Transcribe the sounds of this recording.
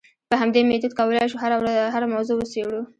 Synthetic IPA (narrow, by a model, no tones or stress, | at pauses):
pəɦamd̪emed̪ud̪̚kawəlɑjʃuɦaɾawaɦaɾamawzowəsewɽu